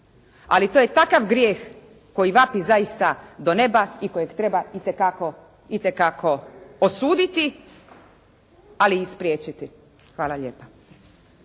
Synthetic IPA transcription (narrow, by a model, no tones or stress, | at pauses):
a̰lit̪oje̞t̪akaʋɡɾjeːx | ko̞jiʋapizajist̪ad̪o̞ne̞baiko̞jeɡt̪ɾe̞bait̪ekako̞ | it̪ekakʰo̞osuːd̪it̪i | aliːspɾjeːt͡ɕit̪i | xʋaːlaʎeːpa